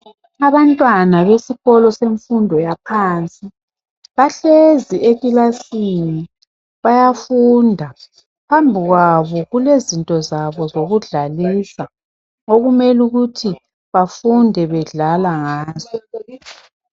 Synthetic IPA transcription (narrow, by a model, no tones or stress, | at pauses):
aβantʼwanaβesiɣɔlɔseɱfundʱɔjapʰaːnt͡sʼi | βaɬeziekʼilasini | βajafundʱa | pʰambʱiɣwaβɔɣulezintʼɔzaβɔzoɣuɮalisa | oɣumɛluɣutʰi | βafundʱɛβɛɮalaŋaːzɔ